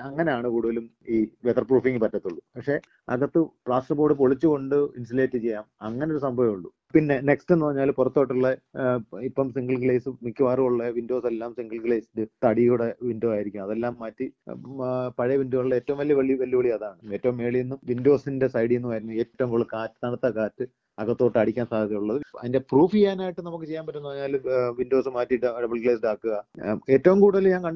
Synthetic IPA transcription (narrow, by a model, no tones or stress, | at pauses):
ɐŋːɐneaːɳɨkuːɽuʋɐlum | iːʋet̪ɐrpruːfiŋɡɨpɐtːɐt̪ːuɭːupɐkʂe̞ | ɐ̰ɣɐt̪ːɨpɭaːsʈrɐpːoːɽɨpoɭit͡ɕːuko̞ɳɖɨinsile̞ːtːɨt͡ɕe̞jːaːmɐŋːɐneoɾusɐmbɐʋimuɭːu | pinːe̞nekste̞nːɨɐrɐɲːaːlpurɐt̪ːo̞ːʈːuɭːɐ | ipːɐmsiŋɡɐɭkɭeːsɨmikʲːuʋaːruuɭːɐʋindo̞ːselːaːmsiŋɡɐɭkɭeːsindɨt̪ɐɽiuɽeʋindoaːjiɾikʲːumɐðelːaːmːɐtːi | pɐɻɐjɐʋindoːuɭːɐeːtːɐʋumʋɐlijɐʋɐɭiʋɐlːjɐʋɐɭijɐðaːɳɨe̞ːtːɐʋumːe̞ːɭijenːumʋindo̞ːsinde̞sɐjɽienːuɨʋɐɾunːue̞ːtːɐʋumkoɭːɨkaːtːɨ̥nɐɽɐt̪ːɐkaːtːɨ | ɐɣɐt̪ːoːʈːɨɐɽikʲːaːnsaːd̪ʱɐðɐuɭːɐðɨɐ̰ðinde̞pruːfiaːnaːjiʈːɨnɐmukːɨt͡ɕe̞jːaːnpɐtːunːɐʋɐʋɲːaːlʋindo̞ːsɨmaːtːiɖɖɐbɐɭkɭesɖaːkːuɣɐe̞ːtːɐʋumkuːɽɐðɐlɲaːŋkɐɳɖ